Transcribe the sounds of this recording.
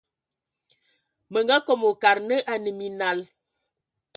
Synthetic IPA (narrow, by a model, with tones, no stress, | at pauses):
mə˨ŋɡa˦kɔ˨mo˨ka˨ɾnə˦ʔa˨nə˨mi˨na˨l